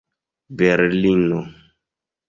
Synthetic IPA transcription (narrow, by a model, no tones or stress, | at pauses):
bɛɾlinɔ